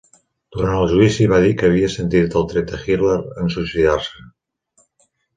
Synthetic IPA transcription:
d̪̥uɾanəlˠʒuisiβað̞ikəːβ̞iəsent̪iɾt̪əlˠt̪ɾet̪əxiɾleɾənsusiðaɾsə

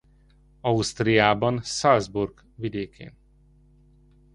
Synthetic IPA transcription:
ɒust̪rijaːbɒnsɒlzburɡ | vid̪eːkʰḛːn

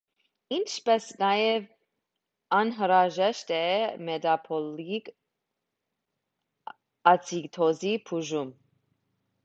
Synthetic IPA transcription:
int͡ʃʰpɛsnɑjɛv | ɑnɦəɾɑʒɛʃt̪ɛmɛd̪ɑpʰɔlik | ɑt͡sʰikt̪ʰɔzipʰuʒum

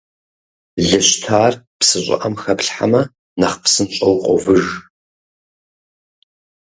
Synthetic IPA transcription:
ɮɨɕtʰaːrpsɨɕʷʼɪ̰ʔɐmxɐpɬħamɐ | nɐχpsɨnɕʼɐwqʷʼɔ̰vɨʐ

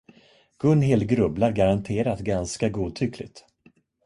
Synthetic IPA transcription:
ɡ̥ɵnːɦelɡɾɵblaɾɡaɾant̪ʰeːɾat̪ɡanskaɡuːt̪ʰʏklɪ̰ɡt̪

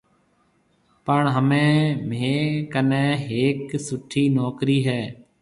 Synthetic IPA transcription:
pəɳɦəmẽːmeːkənẽːɦeːksʊʈʰːiːnɔːkɾiːɦɛː

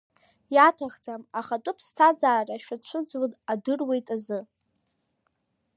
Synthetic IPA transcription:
jatʰaχd͡zamaχatʼʊpʰstʰazaːraʃᶣat͡ɕʷʰʊd͡zwanadɨrwe̞jtʼazɨ

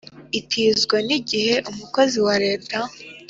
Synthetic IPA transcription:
itʰiːzɡwaniɟihe̞ʔumuko̞ziwaɾe̞ːta

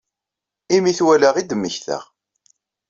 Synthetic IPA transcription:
imiθwælaʁid̪əmːəçθə̰ʁ

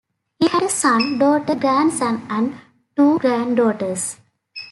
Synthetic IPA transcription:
hiːhæɖəsʌ̃nɖoːʈəɡɾæ̃ɳɖsʌ̃næ̃ɳɖ | ʈuːɡɾæ̃ɳɖɖoːʈəɾs

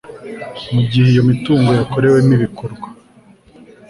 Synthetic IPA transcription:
muɟiheijo̞mituːŋɡojako̞ɾe̞wemiβikoɾɡwa

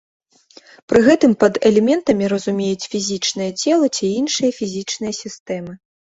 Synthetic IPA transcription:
pɾɨɣɛt̪ɨmpɐd̪ɛlʲɛmʲɛnt̪ɐmʲiɾɐzumʲejut͡sʲfʲizʲit͡ʂnɨjɐt͡sʲɛlˠɐt͡sʲiinʂɨjɐfʲizʲit͡ʂnɨjɐsʲist̪ɛmɨ

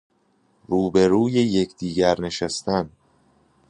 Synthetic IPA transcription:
ɾuːbe̞ɾuːjejecʰd̪̥iːɟæɾne̞ʃæst̪æn

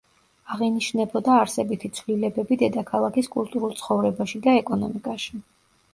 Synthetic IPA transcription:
aʁiniʃnɛbɔd̪aːɾsɛbit̪ʰit̪sʰvlilɛbɛbid̪ɛd̪akʰalˠakʰiskʼulˠt̪ʼuɾulˠt̪sʰχɔvɾɛbaʃid̪aɛkʼɔnɔ̰mikʼaʃi

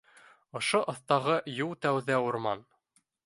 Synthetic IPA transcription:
ŏʃoʔŏθt̪ɑʁɤjulˠt̪æwðæuɾmɑn

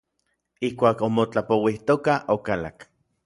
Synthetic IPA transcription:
ihkʷaːkomot͡ɬapowiht̪okaʔokala̰k

